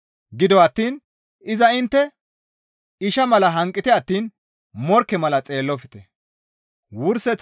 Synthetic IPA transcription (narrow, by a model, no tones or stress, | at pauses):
ɡɪd̪ɔɐt̪ːiːn | ɪzɐɪnt̪ːɛ | ɪʃɐmɐlɐɦɐŋkʼːɪt̪ɪɐt̪ːiːn | mɔɾkːɛmɐlɐt͡sʼe̞ːlːɔfɪ̥t̪ɛ | wʊɾsɛt͡s